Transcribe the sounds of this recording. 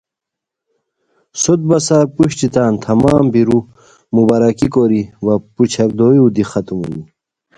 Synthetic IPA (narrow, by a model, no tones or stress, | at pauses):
sot̪̚bɐsaɾpuɕt̪it̪aːnt̪ʰɐmaːmbiɾu | mubaɾɐkikoɾiwɐput͡ɕʰɐɾd̪oːjuːd̪ixɐt̪umṵni